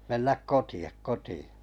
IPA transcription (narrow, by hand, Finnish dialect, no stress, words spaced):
menːæk kotiɑ kotiɑ̥